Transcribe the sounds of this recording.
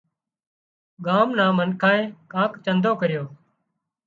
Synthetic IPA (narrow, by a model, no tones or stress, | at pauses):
ɠaːmnãːmənkʰaːẽːkãːkt͡ʃənd̪ʱoːkəɾɪjoː